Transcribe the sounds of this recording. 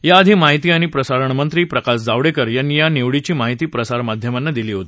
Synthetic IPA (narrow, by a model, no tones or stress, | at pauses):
jaəd̪ʱiːmaɦit̪iːaɽ̃ipɾəsaɾəɳmənt̪ɾiːpɾəkasd͡zaʋɽekəɾjanːijaneʋɽit͡ɕiːmaɦit̪iːpɾəsaɾmad̪ʱjəmanːad̪iliːɦot̪i̥